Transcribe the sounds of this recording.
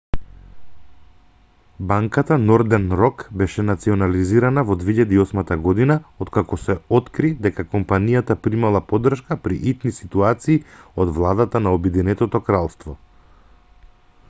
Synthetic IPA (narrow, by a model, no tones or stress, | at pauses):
baŋkat̪anɔɾd̪ɛnɾɔkbɛʃɛnat̪siɔnaliziɾanavɔd̪viiʎad̪iːɔsmat̪aɡɔd̪inaot̪kakɔsɛɔt̪kɾid̪ɛkakɔmpanijat̪apɾimalˠapɔd̪r̩ʃkapɾḭʔit̪nisit̪uat̪siːɔd̪vlˠad̪at̪anaɔbɛd̪inɛt̪ɔt̪ɔkɾalˠst̪vɔ